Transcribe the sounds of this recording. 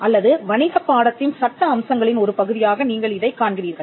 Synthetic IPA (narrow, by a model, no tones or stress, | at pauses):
ʔɐlːɐðɯʋɐɳɪðɐpːaːɽɐt̪ːɪnsɐʈːɐːmsɐŋɡɐɭɪnɔɾɯpɐɣɯðɪjaːɣɐniːŋɡɐɭɪðɐɪkːaːɳɡɪɾiːɾɣɐɭ